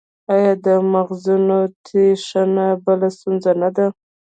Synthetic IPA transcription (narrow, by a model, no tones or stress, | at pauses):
ajɑd̪əmaɣzunot̪ʰeʂanabəlast̪unzanad̪a